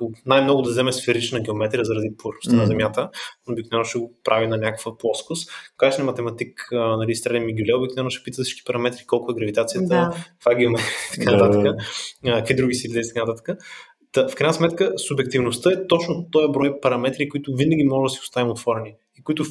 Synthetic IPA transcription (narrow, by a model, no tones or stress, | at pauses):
najmnɔɡʊd̪ɐzɛmɛsfɛɾit͡ʃnɐɡʲɛomɛt̪ɾʲiəzɐɾɐd̪ipovɛɾnʊst̪ənɐzɛmjat̪əobiknovɛnʊʃɛɡopɾʔavinɐnʲakəkvəplˠɔskʊskat͡ʃnɛmɐt̪ɛmɐt̪iknɐlist̪ɾɛd̪imiɡʲulʲɛobiknovɛnʊʃɛ̥pit̪əsi̥t͡ʃki̥pɐɾɐmɛt̪ɾikɔlˠkʊɛɡɾɐvit̪at̪sijətd̪ət̪vaɡʲiimɛit̪ɐ̥kanɐt̪at̪əkəkid̪ɾuɡʲisilid̪ɛit̪ə̥kanət̪at̪ə̥kə | t̪əfkɾaɪjnəsmɛt̪kəsubjɛk̚t̪ivnʊst̪əɛt̪ɔt͡ʃnot̪ɔjɐbɾɔjpɐɾɐmɛt̪ɾikʊit̪ʊvinəɡʲimɔʒɛd̪ɐsiʊst̪avɛmot̪vɔɾɛni | ikʊit̪ʊ